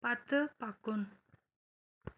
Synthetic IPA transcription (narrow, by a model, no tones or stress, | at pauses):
pat̪əpakʊn